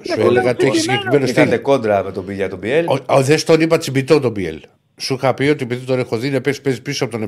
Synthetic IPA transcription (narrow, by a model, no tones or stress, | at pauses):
sueleɣɐt̪içisiɲɟe̞kɾimenostɐt̪ekond̪ɾɐmet̪obiʝɐt̪obielooðest̪onipɐt͡sibit̪ot̪obiḛl | suixɐpio̞t̪iepiðit̪onexo̞ðinepesi̥pezipisoɐpot̪one